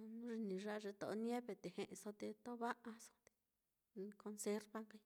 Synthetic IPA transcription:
nũ˦ʐi˧nĩ˨ʐa˦˧ʐe˧t̪o˨o˦njẽ˦βe˧t̪e˨he˧ʔẽ˧so˧t̪e˧t̪o˦βa˦ʔa˧so̥˧t̪e̥˧ | ko˧nse˧˦ɾβa˦ŋka˧i˧

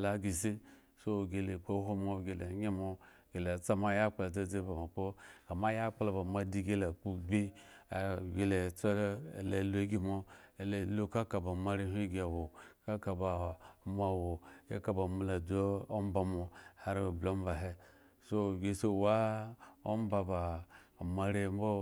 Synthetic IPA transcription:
la˨ɡi˨si˦ | so˦˨ɡe˧le˨k͡po˦ɦo˦mo˦˧˨ɡe˨le˨˦ɲe˦mo˧˨ | ɡe˨le˨t͡sa˦ma˦ja˦k͡pla˨d͡za˦d͡ze˦ba˨mo˨k͡po˦ka˨ma˦ja˦k͡pla˨ba˨ma˦˧di˧ɡe˦la˨k͡pu˦ɡ͡bi˦a˨ɡe˨le˨t͡so˦ḛ˨le˨lo˦e˦ɡi˦mo˧e˨llu˦ka˦ka˨ba˨ma˦ɾe˦ɦi˦ɡʲi˨a˨wo˨ka˦ka˨ba˨ma˦˨wo˨ḛ˦ka˦ba˨mu˨la˨do˦o˦m˦ba˨mo˨ha˦ɾblo˦m˦ba˨ɦe˦ | so˦˨ɡʲe˧so˦˨wa˦o˦m˦ba˧ba˨ma˨ɾe˦m˦bo˦

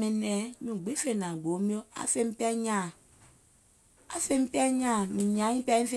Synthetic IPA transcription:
mɛ̃˨nɛ̃˨˦nũ˨ɡ͡be˨˦fe˨nã˨ɡ͡bo˨˦mĩ˦o˦a̰˨˦fe˦m˦pɛ˦ɲã˦˨ | a̰˨˦fe˦m˦pɛ˦ɲã˦˨mĩ˨ɲã˨˦ĩ˦pɛ˦ĩ˦fe˦

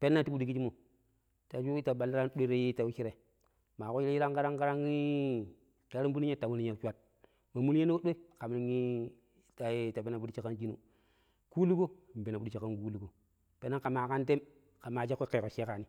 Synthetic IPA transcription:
pe˦nːa˦ti˦bu˦di˨ki˦d͡ʒi˦mo˨ | ta˨d͡ʒu˦ta˨ɓa˨lːi˦ɾa˦n˦ɗe˦ɾe˦ji˦ta˨wu˦t͡ʃi˦ɾe˨ | ma˨ko˦ji˦e˦ji˦ɾa˦ŋka˦ɾa˦ŋɡa˦ɾa˦ŋi˦ | ka˦ɾi˦m˦bu˦ni˦ɲ˦e˦ta˨mu˦li˦ɲa˨˦t͡ʃwa˦t̚ | ma˨mu˦le˦no˦o˦ɗe˦ka˨m˦i˦ŋi˦ | ta˨jta˨pe˦na˨bu˦di˦t͡ʃa˨ka˦nd͡ʒi˦nṵ˦ | ku˦lu˦ɡo˦˨m˨be˨na˨bu˦di˦t͡ʃa˨ka˦nku˦lu˨ɡo˨ | pe˦nːa˦ka˨ma˨ka˦nte˦m | ka˨ma˨t͡ʃe˦kʷːe˦ke˨ko˨ʃe˦ka˨ni˦

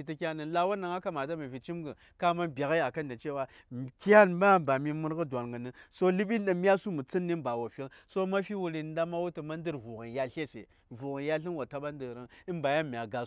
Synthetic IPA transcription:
i˨ti˦kʲa˦nə˨nla˦wa˦na˨ŋa˦ka˦ma˨t̬a˦mi˨vi˨t͡ʃi˦mɡə˨ | ka˦ma˦nbʲa˨ɣa˦a˨ka˦nda˨t͡ʃe˦wa˦ | ka˦nba˦˨ba˨mi˦mu˦ɾɣə˦dʷa˨nɡə˨nə˨so˦li˦ɓi˦n˦ɗə˨mi˦a˦su˦mu˨t͡si˦nːi˦mba˨wo˨fi˦ŋ | so˦ma˦fi˦wu˨ɾi˨nda˦ma˦wu˦tə˨ma˦n˦də˦ɾvu˨ɣə˨nja˦ɬe˦sḛ˨ | vu˨ɣi˨nja˦ɬi˦nwa˨ta˦ɓa˦ndə˨ɾə˦ŋi˦mba˨ja˦mʲ˨a˨ɡa˨

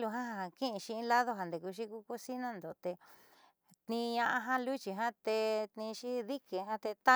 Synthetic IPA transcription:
lu˧ɦã˦ɦa˧ɦa˧˨kĩ˦ʔĩ˧ʃĩ˧ĩ˧˦la˦ðo˦ɦã˨nd̪e˨ku˧ʃ̬i˧˦ku˧˦ko˦si˦nã˦nd̪o˨t̪e˧ | t̪nĩ˧ɲã˧ʔa˧ɦã˦lu˦t͡ʃi˧ɦã˦t̪e˧t̪nĩ˧ʃi˦ði˦ke˨ɦã˦t̪e˧t̪a˦

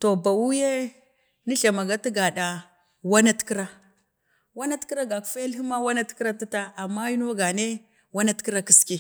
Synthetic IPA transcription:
to˨ba˨wu˦je˦ | ni˦ɬa˨ma˨ɡa˦ti˦ɡa˨ɗa˨ | wa˦na˦tki˦ɾa˦ | wa˦na˦tki˦ɾa˦ɡa˨kfe˦li˦ma˦wa˦na˦tkɾa˦ti˦ta˦a˨mːa˦ji˦n˦a˦ɡa˨ne˦ | wa˦na˦tki˦ɾa˦ki˦ski˦

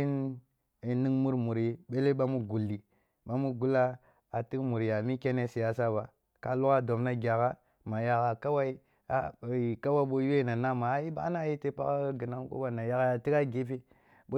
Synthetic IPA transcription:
i˦n | i˨ni˦ŋmu˦ɾmu˨ɾi˦ɓe˦le˦ɓa˦mu˦ɡu˨lːi˨ | ɓa˦mu˦ɡu˦la˦ | a˨ti˦kmu˨ɾi˨a˨mi˦kʲe˦ne˦si˨ja˦sa˦ba˨ | ka˨lu˦ka˦do˨mna˦ɡʲa˨ka˦ | ma˨ja˦ka˨ka˦wa˦i˦ | a˦˨i˨ka˦wa˦ɓo˦ju˦e˦˨na˨na˦ma˨˦ji˦ba̰˦na˦˨ji˦te˦pa̰˦ka˦ɡi˨na˦ŋko̰˦ba˨na˨ja˦ka˦a˨ti˦ka˦ɡe˦fi˦ | bo˦

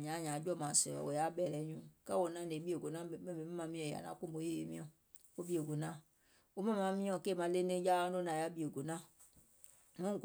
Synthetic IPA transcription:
ɲã˨˦˨ɲ˨ã˨˦d͡ʒɔ˦˨mã˨sɛ̰˨ɔ̰˨o˨ja˦bɛ˦˨lɛ˨˦ɲũ˦ka˦wo˨nã˦˨ne˨˦bi˦e˨ɡo˨nã˦˨˦mɛ˦mẽ˨˦mɛ̃˦mã˨˦mĩ˦ɔ̃˨a̰˨nã̰˨˦ku˦mbo˨˦je˦e˨˦mĩ˦ɔ̃˨ | o˦bi˦e˨ɡo˨nã˦˨ | o˦mã˦˨mã˨˦mĩ˦ɔ̃˨ke˦˨mã˨˦le˦nẽ˦d͡ʒa˦ã˦do˦nã˨ja˦bi˦e˨ɡo˨nã˦ | nũ˦

